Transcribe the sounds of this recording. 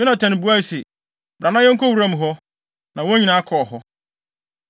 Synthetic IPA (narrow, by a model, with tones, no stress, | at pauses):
ɪ˦nã˨tʰɛ̃˨nɪ̃˨bu˨˦a˦i˦sɛ˨ | bɾã˨nã˦jɛ̃˦ŋ̩˦kʰɔ˦wu˨ɾã˦m̃˨ɦɔ˦ | nã˨wo˦ɲĩ˨nãː˨˦a˦kʰɔ˨ɔ˨ɦɔ˦